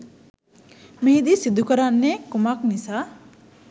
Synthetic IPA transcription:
med̪isid̪ʱːukəɾanːekumaknisa

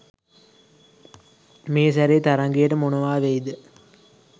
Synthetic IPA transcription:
meːsæɾeːt̪aɾɐŋɡejəʈəmunɐʋaːʋejd̪ə

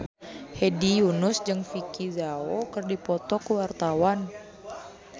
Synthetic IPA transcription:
hɛdijunʊsd͡ʒɨŋfikizaokɨrdipɔt̪ɔkuwart̪awan

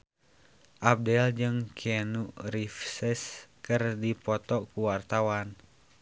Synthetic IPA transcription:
ʔab̚dɛld͡ʒɨŋkʰɛnuʔrifsɛskɨrdipɔt̪ɔkuwart̪awan

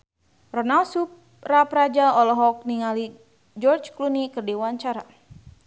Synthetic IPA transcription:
rɔnalsup̚ | rapɾad͡ʒaɔlɔɦɔk̚niŋali | d͡ʒɔrd͡ʒklunikərdiwaɲt͡ʃaɾa

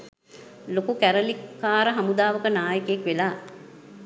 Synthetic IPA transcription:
lokukæɾəlikːaːɾəɦamud̪aːʋəkənaːjəkeekʋelaː

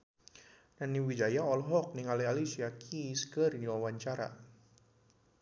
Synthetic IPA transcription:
naniwid͡ʒajaɔlɦɔk̚niŋalialisiakʰiskərdiwawaɲt͡ʃaɾa̰

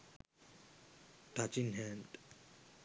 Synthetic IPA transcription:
t̪at͡ɕinɦænd

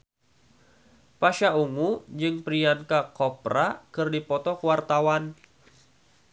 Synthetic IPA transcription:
paʃauŋud͡ʒɨŋpɾiankakɔpɾakɨrdipɔt̪ɔkəwart̪awan

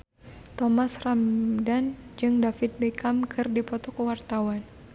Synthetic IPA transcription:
t̪ɔmasramdand͡ʒɨŋdafɪt̪̚bɛkamkʰɨrdipɔt̪ɔkwart̪awan

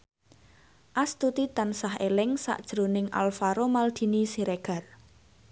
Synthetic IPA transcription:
ʔast̪ut̪it̪ansaɦelɪŋsa̰ʔd̥ʒ̥ɾonɪŋʔa̰lfaɾomald̪̥i̤nisiɾeɡ̥a̤r

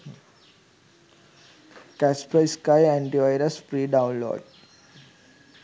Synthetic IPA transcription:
kæspɾaɪskajæ̃ɳʈiʋaɪɾəsfɾiːɖaʊ̃nlo̰ːɖ̚

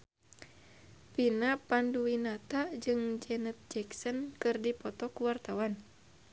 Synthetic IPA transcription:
pinapanduwinat̪ad͡ʒɨŋd͡ʒɛnət̪̚d͡ʒɛksənkɨrdipɔt̪ɔkuwart̪awan

